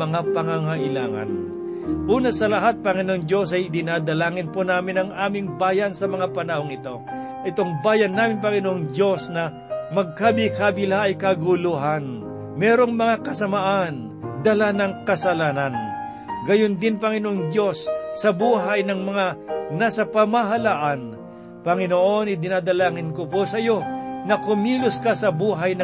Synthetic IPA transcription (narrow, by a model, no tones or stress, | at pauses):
mɐŋapɐŋaŋɐʔɪlaːŋɐ̰n | ʔuːnɐsɐlɐɦat̪̚pɐŋɪnoʔoŋd͡ʒjo̞sɐjd̪ɪnad̪ɐlaːŋɪnpunaːmɪnɐŋaːmɪŋbaːjɐnsɐmɐŋapɐnɐho̞ŋɪt̪o̞ | ʔɛt̪o̞ŋbaːjɐnːaːmɪnpɐŋɪnoʔoŋd͡ʒjo̞snɐ | mɐɡ̚kaːbɪkaːbɪlaʔːjkɐɡʊluɦan | mɛːɾo̞ŋmɐŋakɐsɐmaʔan | d̪ɐlanɐŋkɐsɐlaːnɐn | ɡɐjond̪ɪnpɐŋɪnoʔoŋd̪jo̞sːɐbuːɦajnɐŋmɐŋanaːsɐpɐmaɦɐlaːʔɐn | pɐŋɪnoʔo̞nɪd̪ɪnaːd̪ɐlaːŋɪnkokosɐjo̞nɐkʊmiːlʊskasɐbuːɦɐjnɐ